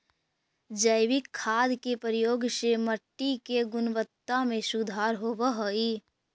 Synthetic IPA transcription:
d͡ʒəɪʋɪkʰːaːd̪kepəɾjoːɡseməʈːikeɡʊnʋət̪ːamẽsʊd̪ʱaːɾɦoːʋəɦəi

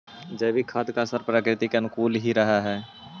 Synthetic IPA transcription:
d͡ʒɛbʱikʰad̪kasəɾpɾaːkɾɪt̪ikeənʊkuːlɦiɾəɦaɦɛː

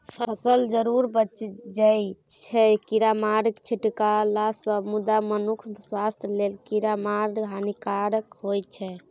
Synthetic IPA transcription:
pʰəəsəld͡ʒəɾuɾbətːt͡ʃd͡ʒajt͡ʃʰɛkiɾamaɾəkt͡ʃʰiʈkalasəbmud̪amənukʰswast̪ʰjlelkiɾamaɾɦanikaɾəkɦojt͡ʃʰɛ

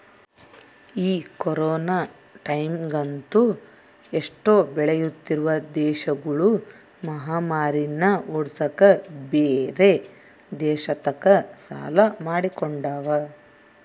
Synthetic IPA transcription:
iːkɔɾɔːnaː | ʈɐjmɡɐnt̪u | eʂʈo̞ːbɛɭejut̪ːiɾuʋɐd̪ɛːʃɐɡɐɭu | mɐɦaːmaːɾinɐuɽsɐkɐbeːɾe̞ | d̪ɛːʃɐt̪ɐkɐsa̰ːlɐmaːɽikoɳɖaːʋɐ

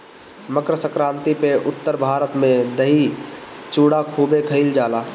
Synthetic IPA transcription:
məkɾəsəkɾãːnt̪ipeʔʊt̪ːəɾbʱaːɾət̪mẽd̪əɦit͡ʃuːɽakʰuːbekʰəɪld͡ʒaːlaː

